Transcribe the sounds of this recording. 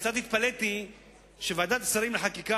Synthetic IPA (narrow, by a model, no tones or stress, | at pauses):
t͡sat̪it̪̚palet̪i | ʃevead̪at̪asaɾimleħakika